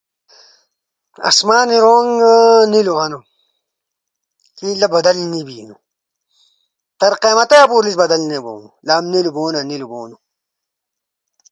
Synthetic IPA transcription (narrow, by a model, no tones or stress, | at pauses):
ɐ̰smaːniɾoːŋniluɦɐnu | kiːlɐbɐd̪ɐlnibiːnu | t̪ɐɾqeːmɐt̪ɐjapuɾlisbɐd̪ɐlnebo̰ːnulaːmniluboːnɐniluboːnu